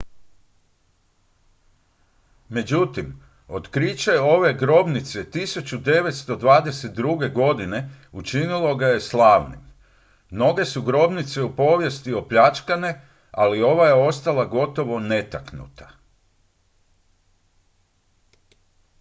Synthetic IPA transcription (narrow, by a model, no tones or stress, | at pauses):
me̞d͡ʑut̪im | o̞t̪kɾit͡ɕeo̞ʋe̞ɡɾo̞bnit̪se̞t̪isut͡ɕud̪e̞ʋe̞t̪st̪o̞d̪ʋaːd̪e̞set̪̚d̪ɾuɡe̞ɡo̞d̪ine̞ | ut͡ʃinilˠo̞ɡaje̞slˠaːʋnḭmː | no̞ɡe̞suɡɾo̞bnit̪se̞upo̞ʋje̞st̪io̞pʎat͡ʃkane | alio̞ʋajeo̞st̪alˠaɡo̞t̪o̞ʋo̞ne̞t̪aknṵt̪ḁ